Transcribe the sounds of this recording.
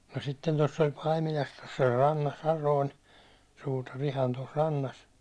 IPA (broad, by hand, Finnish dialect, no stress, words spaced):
no sitːen tosː olʲ pɑimilɑs tos olʲ rɑnːɑs jɑ noin suːtɑr ihɑn tos rɑnːɑs